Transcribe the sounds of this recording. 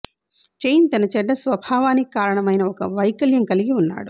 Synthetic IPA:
t͡ʃejnt̪ɐnɐt͡ʃɛɖːɐsʋɐbʱaːʋaːnikaːɾɐɳɐmɐjnɐɔkɐʋɐjkɐljɐŋkɐliɡiunːa̰ːɽu

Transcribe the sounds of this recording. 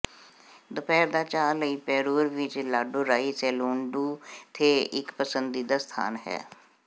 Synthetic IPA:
d̪əpɛːɾd̪aːt͡ʃaːləipɛːɾuːɾʋɪt͡ʃlaːɖoɾaːiseluːɳɖuːt̪ʰeɪkpəsə̃nd̪iːd̪ast̪ʰa̰ːnɦɛ̰ː

